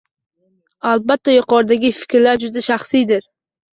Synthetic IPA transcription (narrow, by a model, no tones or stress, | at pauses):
albat̪ʰːajʊqʰɒɾd̪aɡʲɪfɪ̥kʲɾlaɾd͡ʒʊd̪aʃaχsijd̪ɪɾ